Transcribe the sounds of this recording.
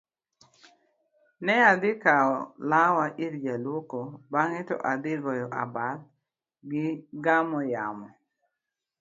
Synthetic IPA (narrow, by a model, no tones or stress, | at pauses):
nɛad̪ɪkaɔlawaʔiɾd͡ʒalwokobaŋɛtɔ̰ʔad̪ɪɡɔjɔʔa̰bad | ɡɪɡamɔjamɔ